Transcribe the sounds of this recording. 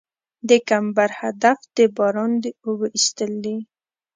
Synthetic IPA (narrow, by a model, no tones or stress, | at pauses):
d̪əkambaɾhad̪afd̪̥əbɑɾɑnd̪eobəʔist̪əld̪i